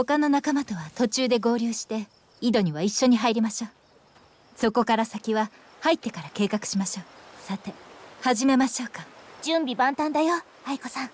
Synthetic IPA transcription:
ho̞kano̞nakamat̪o̞βat̪o̞t͡ɕɨːd̪e̞ɡo̞ːɾʲɨːɕi̥t̪e̞ | id̪o̞ɲ̟iβaiɕːo̞ɲ̟iɦaiɾʲimaɕo̞ː | so̞ko̞kaɾasakʲiβa | hait̪ːe̞kaɾake̞ːkakɯ̟̥ɕimaɕo̞ːsat̪e̞haʑime̞maɕo̞ːkad͡ʑɨ̃mbʲibãnt̪ãnd̪ajo | aiko̞sãŋ

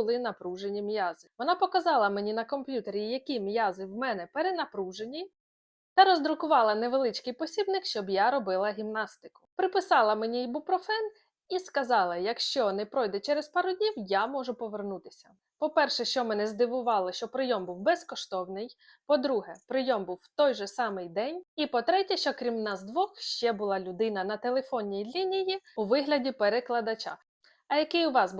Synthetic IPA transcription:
ʊlˠɪnɐpɾuʒenʲimʲjazɪʋɔnɑpɔkɐzɑlˠɐmenʲinɐkɔmpʲjut̪eɾʲijɐkʲimʲjazɪwmɛnɛpeɾenɐpɾuʒenʲi | t̪ɐɾɔzd̪ɾʊkʊʋɑlˠɐneʋelˠɪt͡ʃkɪjpɔsʲibnɪkʃt͡ʃɔbjaɾɔbɪlˠɐɦʲimnɑst̪ɪ̥kʊ̥pɾɪpɪsɑlˠɐmenʲiibupɾɔfɛn | iskɐzɑlˠɐjɐkʃt͡ʃɔnɛpɾɔjd̪ɛt͡ʃɛɾespɑɾʊdʲnʲiwjamɔʒʊpɔʋernut̪ɪ̥sʲɐ̥ | pɔpɛrʃɛʃt͡ʃɔmɛnɛzd̪ɪʋʊʋɑlˠɐʃt͡ʃɔpɾɪjɔmbuwbɛskɔʃt̪ɔwnɪj | pɔd̪ɾuɦɛpɾɪjɔmbuwːt̪ɔjʒɛsɑmɪjd̪ɛnʲipɔt̪ɾɛtʲɐʃt͡ʃɔkɾʲimnɑzd̪ʋɔxʃt͡ʃɛbʊlˠɑlʲʊd̪ɪnɐnɐt̪elˠefɔnʲːijlʲinʲijiʊʋɪɦlʲɐdʲipeɾeklˠɐd̪ɐt͡ʃa̰ | ɐjɐkɪjʊʋɑs

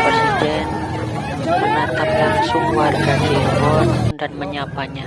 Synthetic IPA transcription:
pɾesidɛn | məɲat̪apansumbard͡ʒad͡ʒikɔndanməɲapaɲa

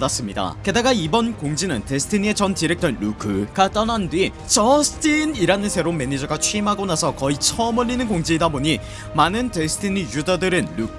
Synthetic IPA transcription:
das͈ɯmɲida̰ke̞daɡaibʌnkoŋd͡ʑinɯnte̞sʰɯ̥tʰiɲie̞t͡ɕʌnt͡ɕiɾek̚t͈ʰʌnɾukʰɯɡat͈ʌnandɥi | t͡ɕʌsʰɯ̥tʰiniɾanɯnsʰe̞ɾome̞ɲid͡ʑʌɡat͡ɕʰiimɦaɡonasʰʌkʌit͡ɕʰʌmɯʎːinɯnkoŋd͡ʑiːdaboɲi | manɯntesʰɯ̥tʰiɲijudʌdɯɾɯnɾuk̚

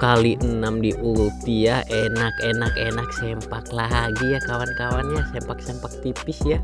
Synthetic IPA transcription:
kaliənamdiʔuɾut̪ijaʔɛnakɛnakɛnaksɛmpaklaɦaɡijakawankawanjasɛmpak̚sɛmpak̚t̪ipisja

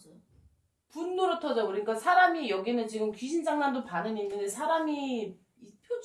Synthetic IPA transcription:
punːuɾotʰʌd͡ʑʌuɾiɲik͈asʰaɾamijʌɡinɯnt͡ɕiɡɯmkiɕʰind͡ʑaŋɡandopanɯɲinːɯndesʰaɾami | pʰo

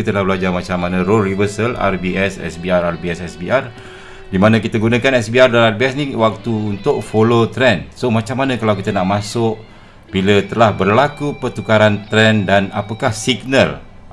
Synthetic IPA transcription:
it̪əlahbəlad͡ʒarmat͡ʃamːanãrorivərsəla̰rbiʔɛsɛ̰sbiararbiɛsɛsbiar | dimanãkit̪əɡunãkanɛsbiardalaarbiɛsniwak̚t̪uunt̪ʊʔ̚folot̪ɾɛnsomat͡ʃamːanãkalawkit̪ənaʔmãsʊʔ | bilət̪əlahbərlakupərt̪ukaɾant̪ɾɛndanapakahsiɡnəl

